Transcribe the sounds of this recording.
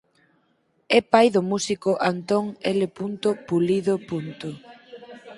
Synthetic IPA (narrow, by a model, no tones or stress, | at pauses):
ɛpajðʊmusikoʔant̪oŋelepunt̪opuliðopunt̪o